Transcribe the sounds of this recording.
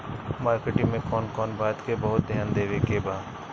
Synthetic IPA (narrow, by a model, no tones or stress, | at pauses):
maːɾkeːʈɪ̃ŋmẽkɔːnkɔːnbaːt̪kebəɦʊt̪̚d̪ʱɪjaːnd̪eːʋeːkeːbaː